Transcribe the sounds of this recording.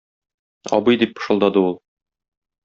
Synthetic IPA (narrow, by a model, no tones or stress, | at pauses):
ɒ̰bɤjd̪ip̚pɤ̥̆ʃɤ̆lˠd̪ɑd̪ɤulˠ